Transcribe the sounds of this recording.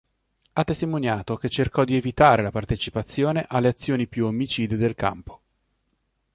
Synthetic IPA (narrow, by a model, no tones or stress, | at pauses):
at̪ːest̪imonjaːt̪ok̟et͡ʃːerkɔd̪ievit̪aːɾelapart̪et͡ʃipat̪sːjoːneʔalːeat̪sːjoːnipjuomːit͡ʃiːd̪ed̪elka̰mpo̥